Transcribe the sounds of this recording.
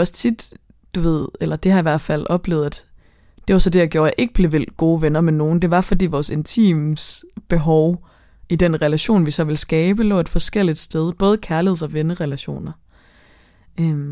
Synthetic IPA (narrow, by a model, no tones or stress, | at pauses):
ɒ̽st͡sʰid̥ | d̥uʋe̝ð̞̰ˠelɐd̥e̝hɑ̈iʋæɐ̰d̥fæl̰ʔɒ̽b̥le̝̰ːðˠæd̥ | d̥e̝ʋɑ̈sɒ̽d̥e̝jɑ̈ɡ̥jo̝ːɐjɑ̈ʔe̝ɡ̥əb̥le̝ʋel̰ɡ̥o̝ːʋenɐmeno̝ːn̩d̥e̝ʋɑ̈fɒ̽d̥ḭːʋɒːse̝nt͡sʰḭːmsb̥e̝ɦɒʊ | id̥enʁɛlæɕo̝̰ːnʋisɒ̽ʋe̝lsɡ̥ɛːb̥əlɔ̰ːed̥fɒ̽sɡ̥el̰id̥sd̥eð̞ˠb̥ɔ̽ːð̞̩ˠəkʰæɐliheð̩̰ˠɒ̽ʋenəʁɛlæɕo̝̰ːnɐ | øm